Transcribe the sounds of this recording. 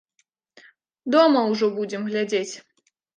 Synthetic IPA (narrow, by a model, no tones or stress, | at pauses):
d̪ɔmɐwʐɔbud͡zʲɛmɣlʲad͡zʲet͡sʲ